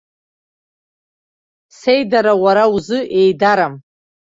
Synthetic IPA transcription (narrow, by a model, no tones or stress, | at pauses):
se̞jdaɾawaɾauzɨʔe̞jdaɾam